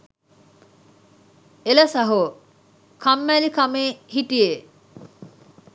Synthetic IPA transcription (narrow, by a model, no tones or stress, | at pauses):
eləsaɦo | kʰamːælikameːhiʈije